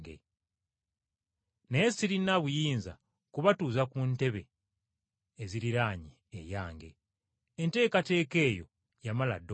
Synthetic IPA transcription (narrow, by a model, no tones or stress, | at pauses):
ɡḛ | neːsiɾinaβujiːnza̰ | kuβatuːzakunte̞βe̞ | ziɾiɾaːɲi | ḛjaːŋɡe̞̰ | ente̞ːkate̞ːke̞ːjo̞̰ | jamala̰d